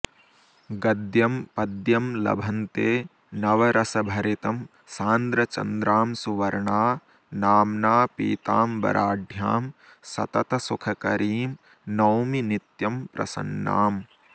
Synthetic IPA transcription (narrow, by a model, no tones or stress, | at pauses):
ɡɐd̪jɐmpɐd̪jɐmlɐ̰bʱɐnt̪eː | nɐʋɐɾʔɐsɐbʱɐɾit̪ɐm | saːnd̪ɾɐt͡ʃɐ̰nd̪ɾaːmsuʋɐɾɳaː | naːmnaːpḭːt̪aːmbɐ̰ɾʔaːɖʱja̰ːm | sɐ̰t̪ɐt̪ɐsukʰɐkɐɾiːm | nɐwminit̪jɐmpɾɐ̰sɐ̰nːa̰ːm